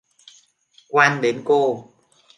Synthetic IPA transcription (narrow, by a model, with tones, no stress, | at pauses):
kwaː˧nɗe˨˦nko˧